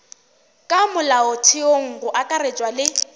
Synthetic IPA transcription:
kʼamʊlaʊtʰɪoŋ̩ɣʊʔakʼaɾet͡ʃʼwalɪ

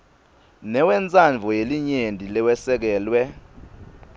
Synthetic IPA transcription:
nɛwɛnt͡sʼaɱvʱɔjeliɲendʱilɛwɛsɛk̬ɛːlwɛ

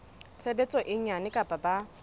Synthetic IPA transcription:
t͡sʰebet͡sʼɔʔɪɲanɪkʼapʼaba

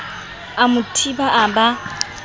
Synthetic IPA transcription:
amutʰibaʔaba

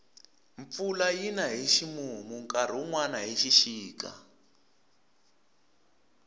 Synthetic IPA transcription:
ɱfulajinaɦiʃimumuŋkaɾ̤uŋwanaɦiʃiʃiːka̰

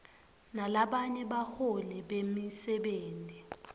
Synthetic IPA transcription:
nalaɓaɲɛɓaholɛɓemisɛɓeːntʼi

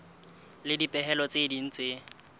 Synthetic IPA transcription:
lɪdipʼɛɦɛlɔt͡sʼedin̩t͡sʼɪ

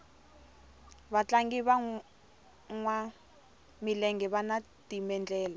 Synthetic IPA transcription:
βat͡ɬaŋɡiβa | ŋwa | milɛŋɡɛβana | timɛnd͡ɮɛːla

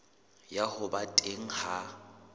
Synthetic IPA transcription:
jahʊbatʼeŋ̩ha

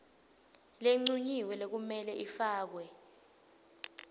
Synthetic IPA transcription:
leŋ͡ǀuɲiwɛlek̬umɛlɛʔifaːk̬wɛ

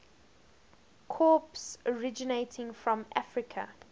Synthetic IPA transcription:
kʰɔːˑpsɔɹɪd͡ʒɪneɪtʰɪ̃ŋfɹɔ̃mʔafɹɪkʰə̰

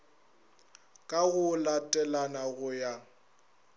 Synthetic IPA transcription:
kʼaɣʊlatʼɛlanaɣʊja

